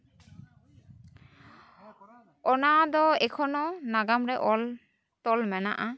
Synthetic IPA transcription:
ɔnad̪ɔɛkʰɔnɔnaɡamɾɛʔɔ | t̪ɔlmɛna̰ʔa

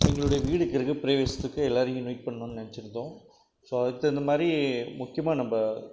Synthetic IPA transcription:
ɛŋɡɐɭɯɽɐjɐʋiːɽɯkːɪɾɯkːɯpɪɾeːʋeːsɐt̪ːɯkːɯɛlːaːɾɪŋɡɯ̃nuːʈ̚pɐɳːõːnːɯnɐnɛt͡ʃːɪɾɯnd̪õː | soːɐðɐkːɐnd̪ɐmaːd̪ɾimʊkːɪjɐmaːnɐmbɐ

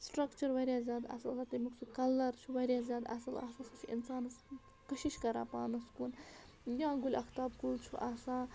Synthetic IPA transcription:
sʈɾɐkt͡ʃɐɾʋɐɾʲjaːzʲjaːd̪ɐ̰sɐlsaːt̪ɐmiksʰukɐlːɐɾt͡ʃʰuʋɐɾʲjaːzʲjaːd̪ɐ̰sɐla̰ːsaːsɐt͡ʃʰuḭnsaːnɐs | kəʃiʃkɐɾa̰ːpaːnɐskuːn | jãːɡulʲɐxt̪aːb̚kult͡ʃʰuʔaːsãː

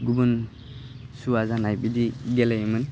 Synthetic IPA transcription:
ɡubun | suwazanajbidiɡɛlejmɯn

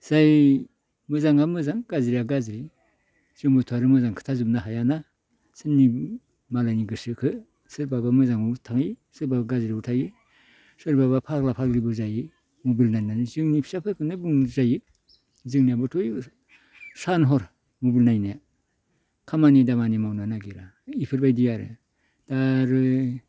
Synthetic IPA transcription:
z̥aj | mɯzaŋamɯzaŋɡaziɾiaɡaziɾi | z̥ɯŋbutʰuaɾɯmɯzaŋkʰɯ̥tʰazumnaɦajana | sɯnːi | malajniɡɯsɯkʰɯ | sɯɾbabamɯzaŋbutʰaŋisɯɾbabaɡaziɾautʰaɡɯ | sɯɾbabapʰaɾklapʰaɾkɾibɯzajɯ | mobilnajnanizɯŋnipʰi̥sapʰɯkʰɯnɯbuŋzaji | zɯŋniabɯtʰɔj | sanɦɔɾ | mobilnajnaja | kʰamanidamanimawnanaɡiɾa | ipʰɯɾbajdijaɾɯ̰ | d̥aɾɯ

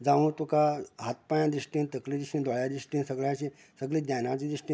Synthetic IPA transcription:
d͡zaʋũt̪ukaɦat̪̚pajãd̪ɾiʂʈĩnt̪əklid̪ɾisĩnd̪ɔɭjad̪ɾiʂʈĩnsəɡɭjat͡ɕi | səɡɭiːd̪ɲanat͡ɕiːd̪ɾiʂʈi

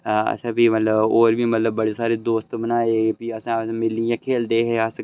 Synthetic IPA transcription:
ɐ̰t͡ʃʰãbʱimɐt̪ləboːɾbʱimɐt̪ləbːɐɽesaːɾed̪oːst̪bənaːeːpiɐsãmɪlĩãkʰeːld̪eɦɛas

